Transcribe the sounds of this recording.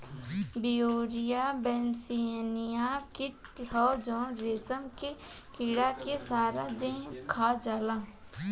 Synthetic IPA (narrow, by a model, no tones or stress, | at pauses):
bioːɾijabɛnsinijakɪʈhɔːd͡ʒɔːnɾeːsəmke | kɪɽakesaːɾad̪ẽkʰad͡ʒaːlã